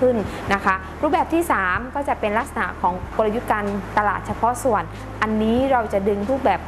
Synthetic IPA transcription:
ɯ˥˩n | na˦˥kʰa˦˥ | ɾuː˧˥˩bɛː˨˩p̚t̪ʰiː˥˩saː˩˦mkɔː˥˩t͡ɕa˨˩pe˧nla˦˥k̚sa˧na̰˨˩kʰɔː˩˦ŋko˧la˧ju˦˥t̪̚kaː˧nt̪a˧la̰ː˨˩t̪̚t͡ɕʰa˧pʰɔ˦˥su˨˩ən | ʔa˧nːiː˦˥ɾa˧wt͡ɕa˨˩ʔdɯ˧ŋɾuː˥˩p̚bɛː˨˩p̚

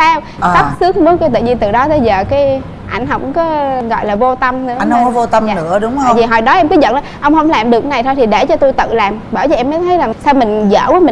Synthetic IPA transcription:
saː˧w | sa˦˥p̚sɨ˨˦˥ək̚mu˨˦nka˧jt̪ɨ̰˧˨ɲ˧nt̪ɨ˨˩ɗɔ˨˦t̪ə˧jzəː˨˩kaː˨˦j | ʔa˧˩jŋ̟ɦɔ˧˩wkŋ͡mkɔ˨˦ɣɔ̰˧˨jlaː˨˩vo˧t̪ə˧mnɨ̰˧˥˧ɔ˨˦vo˧t̪ə˧mː˨ɨ̰˧˥əɗʊ˨˦ŋ͡m̪ːvi˨˩ɦɔ̰˨˩jɗɔ˨˦ʔɛ˧mkɨ˨˦ɲə̰˧˨nlaː˨˩ʔə˧wŋ͡mhə˧wŋ͡mlaː˨˩mɗɨ˨˩ək̚na˨˩jt̪ʰo˧jt̪i˨˩ɗe˧˩t͡ɕɔ˧t̪u˧jt̪ɨ̰˧˨laː˨˩mɓəː˧˩jzəː˨˧˩ʔɛ˧mːə˨˦jt̪ʰə˨˦jlaː˨˩sa˧wmï˨˩ŋ̟zə̰ː˧˩kɔ˨˦mï˨

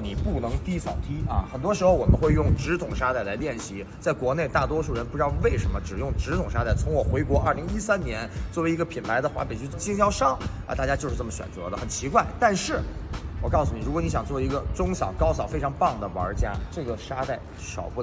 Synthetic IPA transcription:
ni˨˩pu˥˩nɤ˧˥ŋt̪i˥sɑ˨˩ʊt̪i˥ɐ̰˥˧xə˨˩nt̪wɔ˥ʂ̬ɻ̩˧˥xo˥˧ʊwɔ˨˩mə˦nxwe˥˧ɪjʊ˥˩ŋʈ͡ʂɻ̩˧˥t̪ʰʊ˨˩ŋʂa˥t̪a˥˩ɪla˧˥ɪljɛ˥˩nɕi˧˥ | t͡sa˥˩ɪkwɔ˧˥ne˥˧ɪt̪a˥˩t̪̬wɔ˥ʂu˥˩ɻə˧˥npu˥˧ʈ͡ʂ̪we˥˩ɪʂə˧˥nmə˧ʈ͡ʂɻ̩˨˩jʊ˥˩ŋʈ͡ʂɻ̩˧˥t̪ʰʊ˨˩ŋʂa˥t̪a˥˩ɪt͡sʰʊ˧˥ŋwɔ˨˩xwe˧˥ɪkwɔ˧˥ɐ˞˥˩li˧˥ŋi˥sa˥nnjɛ˧˥nt͡swɔ˥˩we˧˥ɪi˧˥ɡə˧pʰi˨˩npʰa˧˥ɪd̪ə˧xwa̰˧˥pe˨˩ɪt͡ɕy˥˧˩t͡ɕi˥˧ŋɕjɑ˥ʊʂɑ˥ŋ̰˧t̪a˥˩t͡ɕja˥t͡ɕjo˥˧ʊʂɻ̩˥˧ʈ͡ʂɤ˥˩mə˩ɕɥɛ̰˨˩nt͡sɤ̰˧˥d̪ə˧xə˨˩nt͡ɕʰi˧˥kwa˥˩ɪt̪a˥˧nʂɻ̩˥˩wɔ˨˩kɑ˥˧ʊsu˧˩ni˨˩ɻu˧˥kwɔ˧˦ni˧˥ɕjɑ˨˩ŋt͡swɔ˥˩i˧˥ɡə˧ʈ͡ʂʊ˥ŋɕɑ˨˩ʊkɑ˥ʊsɑ˨˩ʊfe˥ɪʈ͡ʂʰɑ˧˥ŋpɑ˥˩ŋd̪ə˩wə̰˞˧˥t͡ɕja̰˥ʈ͡ʂɤ˥˩ɡə˩ʂa˥t̪a˥˩ɪ | ʂɑ˨˩ʊpu˥˩

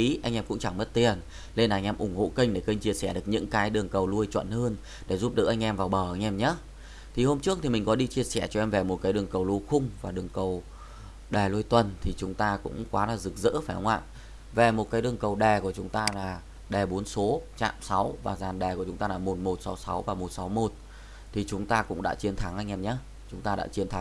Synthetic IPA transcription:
i˨˦ʔa˧ŋʔɛ˧mkʊ̰˧˥ŋ͡mt͡ɕa˧˩ŋmə˦˥t̚t̪i˨˩ən | le˧naː˨˧ŋ̟ʔɛ˧mʔʊ˧˩ŋ͡mho̰˧˨kəi˧ŋ̟ɗe˧˩kə˧ŋ̟t͡ɕi˧əsɛ˧˩ɗɨ˨˩ək̚ɲɨ̰˧˥ŋkaː˨˦jɗɨ˨˩əŋkə˨˩wlu˧əjt͡ɕwə̰˧˨nhəː˧n | ɗe˧˩zu˦˥p̚ɗɨ̰˨˩k̚ʔa˧ŋ̟ʔɛ˧mvaː˨˩wɓəː˧˩ʔa˧jŋ̟ʔɛ˧mɲaː˨˦ | t̪ʰi˨˩ho˧mt͡ɕɨ˦˥ək̚t̪i˨˩mï˨˩ŋ̟kɔ˨˦ɗi˧t͡ɕi˧əsɛ˧˩t͡ɕɔ˧ʔɛ˧mve˨˩mo˨˩t̚kaː˨˦jɗɨ˨˩əŋkə˨˩wlu˧xʊ˧ŋ͡mvaː˨˩ɗɨ˨˩əŋkə˨˩w | ɗɛ˨˩lu˧əjt̪wə˨˩nt̪ʰi˨˩t͡ɕʊ˨˦ŋ͡mt̪aː˧kʊ̰˧˥ŋ͡mkwaː˨˦laː˨˩zɨ˨˩k̚zɨ̰ː˧˥faː˧˩jhə˧˦ŋ͡mʔa̰ː˧˨ʔ | ve˨˩mo˨˩t̚kaː˨˦jɗɨ˨˩əŋkə˨˩wɗɛ˨˩ku˧˩ət͡ɕʊ˨˦ŋ͡mt̪aː˧laː˨˩ | ɗɛ˨˩ɓo˨˦ənso˨˦t͡ɕa̰ː˧˨msa˨˦wvaː˨˩zaː˨˩nɗɛ˨˩ku˩ət͡ɕʊ˨˦ŋ͡mt̪aː˧laː˨˩mo˨˩t̚mo˨˩t̚sa˨˦wsa˨˦wvaː˨˩mo˨˩t̚sa˨˦wmo˨˩t̚ | t̪ʰi˨˩t͡ɕʊ˨˦ŋ͡mt̪aː˧kʊ̰˧˥ŋ͡mɗa̰ː˧˥t͡ɕi˧ənt̪ʰa˨˦ŋʔa˧jŋ̟ʔɛ˧mɲaː˨˦ | t͡ɕʊ˨˦ŋ͡mt̪aː˧ɗa̰ː˧˥t͡ɕi˧ənt̪ʰa˨˦ŋ

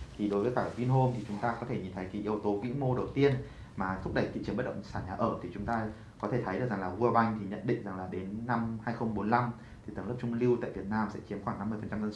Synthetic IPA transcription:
t̪ʰi˨˩ɗo˨˦jvəː˨˦jkaː˧˩˨kwi˧ənɦo˧mt̪ʰi˨˩t͡ɕʊ˨˦ŋ͡mt̪aː˧kɔ˨˦t̪ʰe˧˩ɲi˨˩nt̪ʰə˨˦jki˨˦ʔi˨əwt̪o˨˦kḭ˧˥ŋmo˧ɗə˨˩wt̪i˧ən | maː˨˩t̪ʰʊ˦˥k͡p̚ɗə˧˩jt̪ḭ˧˨t͡ɕənɓə˦˥t̚ɗə̰˧˨ŋ͡msaː˧˩ɲaː˨˩ʔəː˧˩t̪ʰi˨˩t͡ɕʊ˨˦ŋ͡mt̪aː˧ | kɔ˨˦t̪ʰe˧˩t̪ʰə˨˦jɗɨ˨˩kza˨˩ŋlaː˨˩ɣu˧ə˧ɓa˧jŋ̟t̪ʰi˨˩ɲə̰˧˨nɗḭ˧˨ŋ̟za˨˩ŋlaː˨˩ɗe˨˦nːa˧mhaː˧jxə˧wŋ͡mɓo˨˦nla˧mt | t̪ʰi˨˩t̪ɨ˨˧˩lə˦˥p̚t͡ɕʊ˧ŋ͡mli˧wt̪a̰ː˧˨vi˨˩ət̚naː˧msɛ̰˧˥t͡ɕi˨˦əmxwaː˧˩ŋna˧mːɨ˧əfə˨˩t͡ɕa˧mzə˧ns

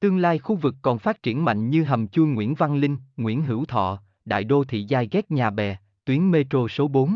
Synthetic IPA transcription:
t̪ɨ˧əŋlaː˧jxu˧vɨ˨˩kːɔ˨˩nfaː˦˥t̚t͡ɕi˧˩ənma̰˧˨jŋ̟ɲɨ˧ɦə˨˩mt͡ɕu˧əŋŋwḭ˧˥ənva˧nlï˧ŋ̟ŋwḭ˧˥ənɦɨ̰˧˥wt̪ʰɔ̰˧˨ | ɗa̰ː˧˨jɗo˧t̪ʰḭ˧˨zaː˧jɣɛ˦˥k̚ɲaː˨˩ɓɛ˨˩ | t̪wi˨˦ənme˧t̪o˧so˨˦ɓo˨˦n

